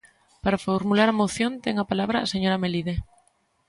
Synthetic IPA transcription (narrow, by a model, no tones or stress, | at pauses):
paɾafoɾmulaɾamoθjont̪eŋapalaβɾaːseɲoɾameliðe